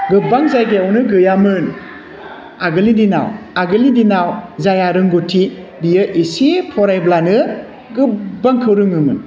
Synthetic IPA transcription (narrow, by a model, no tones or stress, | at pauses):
ɡɯbaŋzajɡeawnɯɡɯjamɯn | aɡɯlidina̰waɡɯlidinawzajaɾɯŋɡotʰi | bijɯʔisipʰɔɾajblanɯ | ɡɯbaŋkʰɯwɾɯŋɯmɯn